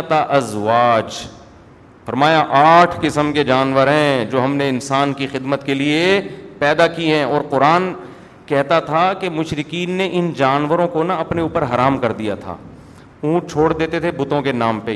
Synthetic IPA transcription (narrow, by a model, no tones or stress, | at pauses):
t̪aʔɐzʋaːt͡ʃ | fɐɾmaːjaʔaːʈʰkɪsəmked͡ʒaːnʋəɾɦɛ̃d͡ʒoːɦɐmneɪnsaːnkixɪd̪mət̪keliepɛːd̪akiɦɛ̃ɔːɾqʊɾaːn | kɛɦt̪at̪ʰakemʊʃɾɪkiːnːeʔɪnd͡ʒaːnʋəɾõkonaɐpneuːpəɾɦɐɾaːmkɐɾd̪ija̰t̪ʰa̰ː | ũːʈt͡ʃʰoːɽd̪eːt̪et̪ʰebʊt̪õkenaːmpe